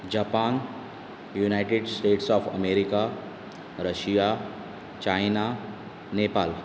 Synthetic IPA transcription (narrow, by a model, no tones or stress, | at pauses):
d͡ʒaːpaːn | junaːɪʈeɖsʈeːʈsɔːfɐ̰meːɾɪka | ɾəʃija | t͡ʃaːɪna | neːpaːl